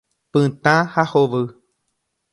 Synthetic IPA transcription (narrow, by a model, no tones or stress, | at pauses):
pɨ̃t̪ãhahoʋɨ